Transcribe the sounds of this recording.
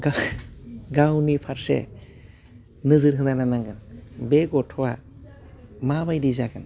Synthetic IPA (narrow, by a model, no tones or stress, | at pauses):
ɡa | ɡawnipʰaɾsɛ̰ | nɯzɯɾɦɯd̪ananaŋɡɯnbeɡɔʈʰɔwa | mabajdizakɯn